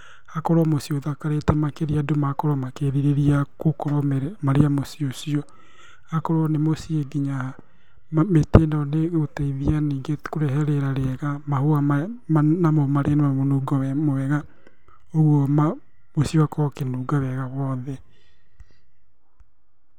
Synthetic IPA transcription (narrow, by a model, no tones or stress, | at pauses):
hakɔɾwɔmosioðakaɾetɛmakeɾiadomakɔɾɔmakeɾiɾeɾiakokɔɾɔmaɾeamosiosiɔ | hakɔɾwɔnemosieɡiɲaa | metendaneɣotaiðianiːŋɡekoɾɛɦɛɾeɾaɾeɛɣamahoaanamɔmaɾenemamonuːɡɔwɛmowɛɣa | oɣwɔma | mosiowakʰɔkenuːɡawɛɣawɔːðɛ